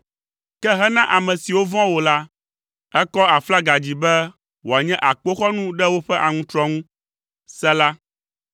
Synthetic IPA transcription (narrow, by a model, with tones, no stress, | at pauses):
kɛ˦ɦɛ˦nã˦ʔa˨mɛ̃˨si˨wo˦vɔ̃˦wo˨la˦ | ɛ˦kɔ˦a˨fla˦ɡa˨d͡ʑi˨bɛ˦ | wo˨a˨ɲɛ̃˦ʔa˨k͡po˦xɔ˦nũ˦ɖɛ˦wo˦ɸɛ˦ʔa˨ŋũ˦t̪ɾɔ˦ŋũ˦ | sɛ˦la˦